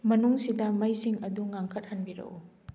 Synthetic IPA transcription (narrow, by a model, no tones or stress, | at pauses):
mɐnuŋsidɐmɐjsiŋɐduŋaŋkʰɐt̚hɐnbiɾɐ̰ʔu